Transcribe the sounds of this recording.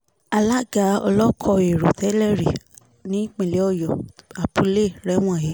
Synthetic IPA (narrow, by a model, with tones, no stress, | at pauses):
a˧la˦ɡa˨˦ɔ̰˧lɔ˦kʰɔ˧e˨ɾo˨tɛ˨˦lɛ˦ɾi˨ | nĩ˨˦k͡pẽ˨le˨˦ɔ˦˨jɔ˨a˨pu˧˦le˦˨ɾɛ˦w̃ɔ̃˦˨ji˨˦